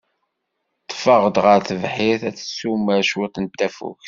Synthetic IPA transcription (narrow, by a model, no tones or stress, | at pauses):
t̪ˤːfɑʁd̪ʁəɾθəvħɪθæθə̥sːuməɾʃwit̪ənt̪ːæfṵk